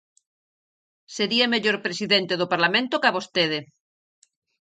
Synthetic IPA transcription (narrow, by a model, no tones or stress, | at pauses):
seɾiameʎoɾpɾesiðent̪eðopaɾlamẽnt̪okaβost̪eð̞e